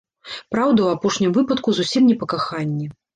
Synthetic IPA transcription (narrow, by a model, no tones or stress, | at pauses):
pɾawd̪ɐwapɔʂnʲimvɨpɐt̪kuzusʲimnʲɛpɐkaxanʲːɛ